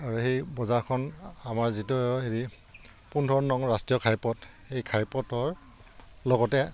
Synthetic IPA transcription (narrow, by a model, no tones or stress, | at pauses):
aɹuhejbɔzaɹkʰɔnamaɹzitʊheɹi | pundʱɔnːɔŋɹastɹijɔkʰajpɔt | ejkʰajpɔtɔɹ | lɔɡɔtɛ